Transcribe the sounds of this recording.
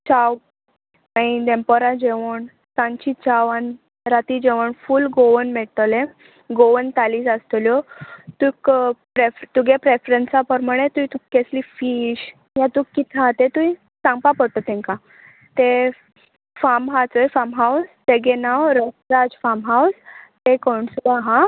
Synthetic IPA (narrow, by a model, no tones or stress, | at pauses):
t͡ɕaw | əid̪ẽmpəɾãd͡ʑeʋəɳ | sãɲt͡ɕit͡ɕaʋan | ɾat̪id͡ʑeʋəɳfulɡoʋənmeɭt̪əlẽ | ɡoʋənt̪aliːsəst̪ljɔt̪uikpɾeft̪uɡepɾefɾənsapəɾməɽ̃et̪uit̪ukːeslifiɕ | jãt̪ukːit̪ʰãt̪et̪ui | sãŋɡpapəɽt̪ot̪ʰẽŋkã | t̪e | famɦat͡səjfamɦawst̪eɡenawɾəsɾad͡zfamɦawst̪ekɔɳslaɦã